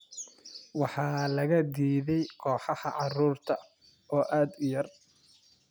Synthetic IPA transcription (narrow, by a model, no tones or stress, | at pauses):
wɑħɑːlɐɣɐd̪iːðɛjkʰɔːħɑhɑʕɑruːrt̪ʰɐ | ʔɔːʔaːd̪ʊjɐr